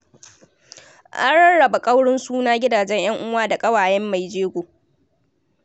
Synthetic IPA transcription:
ʔa̰˦nɽɐ˦ɽɐ˨ba˨kʼɐ˦wɽɪ˦nsuː˦naː˦ɡʲɪ˦daː˨d͡ʒɛ˦ɲj̰ɐ˦ŋʔʊ˦waː˦da˨kʼɐ˦waː˨jɛ˦mːa˨jd͡ʒeː˦ɡʷoː˨

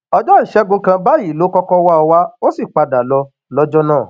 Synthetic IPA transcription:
ɔ˧d͡ʒɔ˦i˦˨ʃɛ˧˦ɡũ˧kã˧ba˦i˦˨lo˨˦kɔ˦kɔ˦wa˦ɔ˧wa˦o˦si˦˨k͡pa˧da˨lɔ˧ | lɔ˦d͡ʒɔ˦nãː˦˨

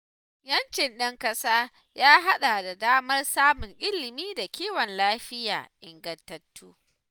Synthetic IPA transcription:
jɐ˦nt͡ʃɪ˨nɗɐ˦ŋkɐ˦saː˦ | jaː˦ɦa˦ɗa˨da˨daː˦mɐ˦rsaː˦mʊ˨ŋʔɪ˦lːɪ˨miː˦da˨kʲiː˦wɔ˨nlaː˦ɸɪ˦ja̰ː˨ʔɪ˨ŋɡɐ˨ntːɐ˦tːuː˦

